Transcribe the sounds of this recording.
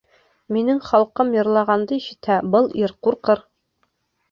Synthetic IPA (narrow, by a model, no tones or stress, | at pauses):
minɘŋχɒlˠqɤmjŏɾlˠɑʁɑnd̪ɤiɕɘ̆t̪hæbɤlˠiɾquɾqɤɾ